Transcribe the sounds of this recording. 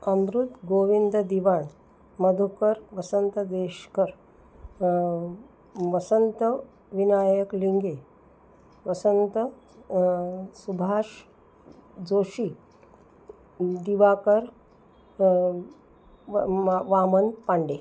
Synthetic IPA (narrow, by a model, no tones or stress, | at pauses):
əmɾut̪ɡoʋind̪əd̪iʋaɳ | məd̪ʱukəɾʋəsənt̪əd̪eʂkəɾ | ʋəsənt̪ə | ʋinajəkliŋɡe | ʋəsənt̪ə | subʱaʂ | d͡zoʂi | d̪iʋakəɾ | ʋamənpaɳɖe